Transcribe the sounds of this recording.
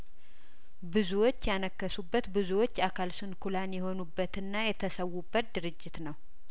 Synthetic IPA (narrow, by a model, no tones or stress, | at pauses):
bɨzuwo̞t͡ʃːjanəkːəsubːət̪bɨzuwot͡ʃːakʰalsɨnkʰulanjɛho̞nubːət̪ɨnːajɛt̪ʰəsəwːubːət̪̚d̪ɨɾɨd͡ʒːɪt̪nəw